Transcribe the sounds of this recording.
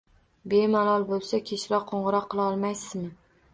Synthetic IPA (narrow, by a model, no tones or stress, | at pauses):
bemalɒlˠbolˠsakʲʰeʃɾɒq̚qʰːoɴʁɨɾɒqʰːɨlˠaɒlˠmajsɪzmɪ